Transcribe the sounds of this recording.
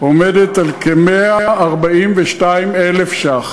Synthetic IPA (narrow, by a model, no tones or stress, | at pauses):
omedet̪alkemeaaʔaʁbaimveʃtaimelefʃaχ